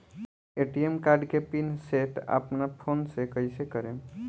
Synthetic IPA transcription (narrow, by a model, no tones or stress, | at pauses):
eʈiemkaɾɖkepinseʈə̰pnapʰonsekəjsekəɾẽ